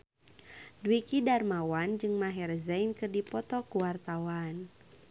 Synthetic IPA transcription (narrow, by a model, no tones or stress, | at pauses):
dwikidarmawand͡ʒɨŋmaɦɛrzajnkɨrdipɔt̪ɔkuwart̪awan